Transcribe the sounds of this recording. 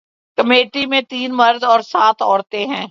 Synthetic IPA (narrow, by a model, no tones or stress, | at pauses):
kəmeːʈimẽt̪iːnmɐɾd̪ɔːɾsaːt̪ʰɔːɾt̪eɦɛ̃ː